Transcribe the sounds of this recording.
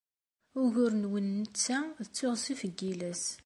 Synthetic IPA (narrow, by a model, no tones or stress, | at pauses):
ʊʝʊɾnwənːət͡sːæət͡sːʊʁsifəɡːilæs